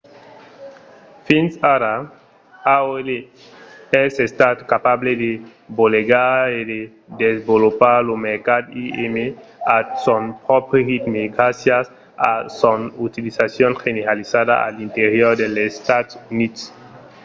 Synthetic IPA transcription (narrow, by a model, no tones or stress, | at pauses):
finsaɾa | aoele | ɛsest̪at̪kapabled̪eboleɡaɾed̪e | d̪ezbolopaɾlomeɾkad̪iemeasonpɾɔpɾehit̪meɡɾasjas | asonut̪ilisasjonxeneɾalisada̰a̰lint̪eɾjoɾd̪elest̪at̪sunid̪s